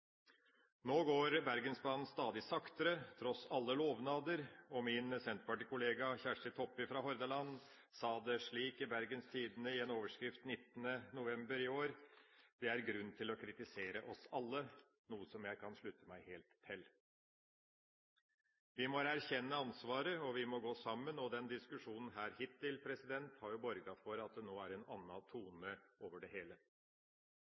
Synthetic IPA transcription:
noːɡoːɾbæɾɡənsbɑn̩st̪ɑːd̪ɪsɑkt̪əɾət̪ʰɾɔsɑlːəloːʋnɑːd̪əɾɔmɪnsɛnt̪pɑʈɪkʊleːɡɑçæʂʈət̪ʰɔpːɪfɾɑːɦɔɾd̪əlɑnː | sɑːd̪ɛʂɭiːkɪbæɾɡənst̪ʰiːd̪ənəɪeːnoːʋəʂkɾɪft̪nɪt̪ːənənʊʋɛmbəɾɪoːɾd̪̥ɛæɾɡɾʉnt̪ʰɪlɔkʰɾɪt̪ɪseːɾəʔɔsɑlːə | nuːəsɔmjæɪkʰɑnʂɭʉt̪ːəmæɪheːlt̪ʰːɪl | ʋɪmɔɾæɾçɛnːəɑnsʋɑːɾəɔʋɪmɔɡoːsɑmːənɔd̪ɛnd̪ɪskʉʂuːnn̩ɦæːɾhɪt̪ʰːɪlpʰɾɛsɪd̪ɛnt̪hɑɾjʊbɔɾɡɑfɔɾɑt̪̚d̪ɛnoːæɾɛnɑnːɑt̪ʰuːnəoːʋəɖɛheːlə

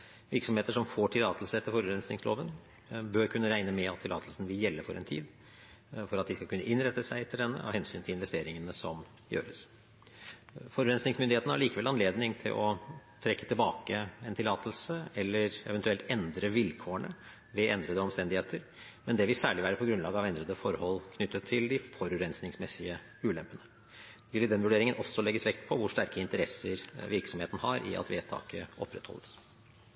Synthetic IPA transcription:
ʋɪɾksɔmheːt̪əʂɔmfoːʈʰɪlɑːt̪əlsəɛt̪ːəɾfɔɾʉɾɛnsnɪŋslʔo̰ːʋən | bøɾkʰʉnːəɾæɪnəmɛɑt̪ʰːɪlɑ̰ːt̪əlsn̩ʋɪljɛlːəɾfɔɾɛ̰nt̪ʰḭːd̪ | fɔɾɑt̪d̪ɪskɑlkʰʉnːəʔɪnɾɛt̪ːəsæɪɛt̪ʰəɖɛnːə̰ɔ̰hɛnsy̰ːnt̪ʰɪlɪnʋɛst̪eːɾɪŋənəsɔm | jø̰ːɾəs | fɔɾʉɾɛnsnɪŋsmʏnd̪ɪeːt̪nəhæɭiːkəʋɛlɑneːd̪nɪŋt̪ʰɪ̰lʔɔt̪ʰɾɛkːət̪ɪlbɑːkəɛnt̪ʰɪlɑːt̪əlsəɛlːəɾɛ̰ʋɛnt̪ʉɛlt̪ɛnd̪ɾəʋɪlkʰoːəɳə | ʋɛʔɛnd̪ɾəd̪əɔmst̪ɛnd̪ɪheːt̪ʰəɾ | mɛnd̪ɛʋɪlsæːɭɪʋæːɾəpʰɔɡɾʉnlɑːɡəɑʋɛnd̪ɾəd̪əfɔɾhɔlːkʰnʏt̪ːət̪ʰːɪld̪ɪfɔɾʉɾɛnsnɪŋsmɛsɪə | ʉːlɛmpənə | ʋɪlːɪd̪ɛnʋʉɖeːɾɪŋənʔɔsːɔlɛɡːəsʋɛkt̪̚pʰɔʋʊʂt̪æɾkəɪnt̪əɾɛsəɾʋɪɾksɔmheːt̪n̩hɑɾʔɪ̰ʔɑ̰t̪ʋḛːt̪ʰɑ̰ːkəɔ̰pːɾɛt̪ʰhɔ̰lːəs

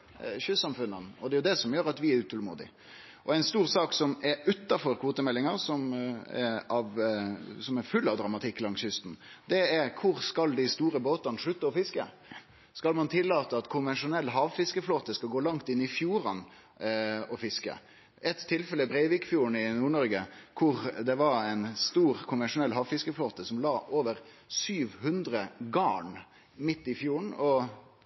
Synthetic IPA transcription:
ɕʉsɑmfʉnːɑnɔd̪ɛjʊd̪ɛsɔmjøːɾɑt̪ʋɪæɾʉːt̪ʰɔlmṵːd̪ɪ̰ | ʔɔæɪnst̪uːɾsɑːksɔmɛɾʉt̪ːɑfɔɾkʰʋoːt̪əmɛlːɪŋɑɾsɔmɛɑʋsɔmɛɾfʉlːɑʋd̪ɾɑmɑt̪ʰɪkːlɑŋsjʏst̪n̩d̪ɛɛɾkʰʊɾskɑld̪ɪst̪uːɾəboːt̪ɑnʂɭʉt̪ːəɔfɪskə̰ | skɑlmɑnt̪ʰɪlːɑːt̪əɑt̪kʰʊnʋɛnʂʊnɛlːɦɑːʋfɪskəfloːt̪əskɑlɡoːlɑŋt̪ɪnːɪfjuːɾɑn | ɔfɪskə̰ | ɛt̪ʰːɪlfɛləbɾɛɪʋɪːkfjuːəɳ̩ɪnuːɳɔɾɡəkʰʊɾd̪ɛʋɑɛɪnst̪uːʁkʰʊnʋɛnʂʊnɛlɦɑːʋfɪskəfloːt̪əsɔmlɑːʔoːʋəɾ | syːʋhʉnd̪ɾəɡɑːɳ | mɪt̪ːɪfjuːɳɔ

